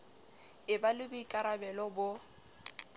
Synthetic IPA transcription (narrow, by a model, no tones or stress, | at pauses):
ɪbalɪbʊikʼaɾabɛlɔbʊ